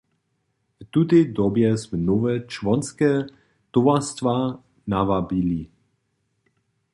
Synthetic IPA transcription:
ft̪ut̪ɛjd̪ɔbjɛsmɛnɔvɛt͡ʃvɔnskɛ | t̪ɔvast̪va | navabili

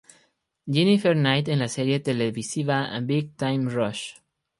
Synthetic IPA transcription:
d͡ʒinifeɾnajt̪ẽnlaseɾjet̪eleβisiβaa̰biɡ̚t̪ajmrɔʃ

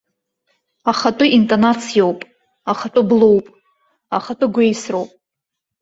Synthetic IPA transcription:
aχatʷʼʊintʼonat͡sʰijowpʼ | aχatʼʊblo̞wpʼ | aχatʼʊɡʷejsrowpʼ

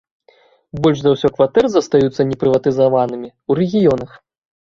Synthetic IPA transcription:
bɔlʲʂzawsʲɔkvat̪ɛrzɐst̪ajut̪sːɐnʲɛpɾɨvɐt̪ɨzavanɨmʲiwɾʲɛɣʲijɔnɐx

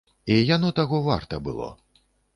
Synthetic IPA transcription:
ijanɔt̪aɣɔva̰rt̪ɐbɨ̰lˠɔ̰

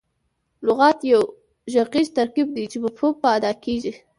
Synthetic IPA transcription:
lʊɣɑt̪jaw | ʒaqizt̪aɾqib̚d̪it͡ʃebəpopaad̪ɑkeʒi

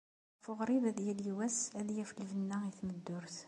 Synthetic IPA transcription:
fʊʁɾiðæðjæliwæsæljæfəlvənːæiθməd̪ːʊɾθ

